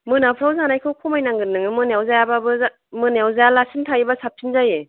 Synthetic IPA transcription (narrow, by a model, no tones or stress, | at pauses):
mɯnapʰɾawzanajkʰɯwkʰɔmajnaŋɡɯnːɯŋɯmɯnawzajababɯ | mɯnjawzajalasintʰaibasap̚tʰinzaje